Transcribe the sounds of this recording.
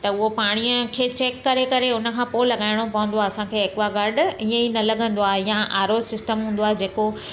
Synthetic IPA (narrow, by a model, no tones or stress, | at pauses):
t̪ɐʊɦopaːɽ̃ijəkʰeːt͡ɕeːkːɐɾekɐɾeʊnə̆kʰãːpoːɪlɐɠaːɪɽ̃opɐʋə̃nd̪oaːɐsãkʰeːɪkʋaɡɐɾɖʊiə̃inɐlɐɠə̃nd̪oaːɦjãʔaːɾosɪsʈəmɦũːn̆d̪oaːɦed͡ʑeːko